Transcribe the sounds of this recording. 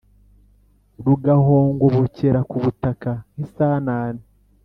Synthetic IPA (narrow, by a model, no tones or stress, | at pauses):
ɾuɡaho̞ːŋɡoβoceɾakuβutakahisaːnaːne